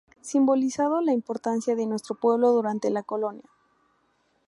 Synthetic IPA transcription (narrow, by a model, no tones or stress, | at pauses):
simbo̞lisað̞olaimpoɾt̪ansjaðenwe̞st̪ɾopwe̞β̞lo̞ðuɾant̪e̞lako̞lo̞nja